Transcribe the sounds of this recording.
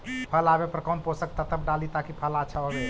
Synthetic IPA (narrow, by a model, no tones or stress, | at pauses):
pʰəlabepəɾkənposək̚t̪at̪əbɖalit̪akipʰəlat͡ʃʰəobe